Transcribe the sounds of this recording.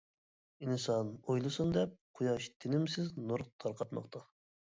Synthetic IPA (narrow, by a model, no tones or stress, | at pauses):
insɑnojlˠɨsund̪ɛp̚qʰojɑʃt̪ʰɪnɪmsɪznuɾt̪ʰɑɾqʰɑt̪mɑ̰qt̪ʰɑ